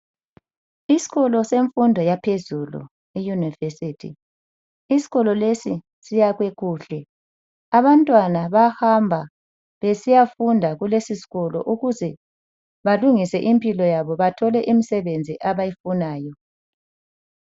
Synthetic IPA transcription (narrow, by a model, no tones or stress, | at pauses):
isi̥ɣɔlɔseɱfundʱɔjapʰezulṵ | ijunivesitʰḭ | isi̥ɣɔlɔlesi | sijaɣweɣuːɬɛ | aβantʼwanaβahambʱa | βesijafundʱaɣulesisi̥ɣɔlɔ̰ʔuɣuzɛ | βaluŋisɛʔimpʼilɔjaβɔβatʰɔlɛʔimisɛβend͡zʱiʔaβajifunaːjɔ